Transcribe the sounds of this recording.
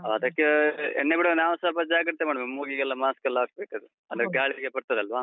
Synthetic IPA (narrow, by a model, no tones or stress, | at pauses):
ɐɐd̪ɐkːeɛ̰ɳnːebiɽɐnaːʋɐsɐlpɐd͡ʒaːɡɐɾt̪emaːɽɐmemoːɡiɡɛlːɐmaːskɐlːaːk̚beːkɐd̪u | ɐd̪ɡaːɭiɾiɡepɐɽt̪ɐd̪eɐlʋaː